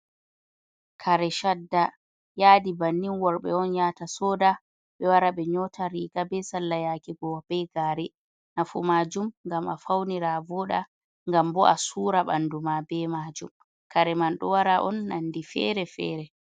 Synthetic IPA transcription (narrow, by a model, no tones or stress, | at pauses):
kʰaɾɛʃadːa | jaːdibanːinwɔɾɓɛɔnjaːtasɔːda | ɓɛwaɾaɓɛɲɔtʰaɾiɡabɛsalːajaːkiɡɔb̥ɛɡaːɾɛ | nafumaːd͡ʒumŋɡamafawniɾavɔɗa | ŋɡambɔʔasuːɾaɓa̰ndumabɛmaːd͡ʒṵm | kaɾɛmanɗɔwaɾaʔɔnːandifɛ̰ɾɛfɛ̰ːɾɛ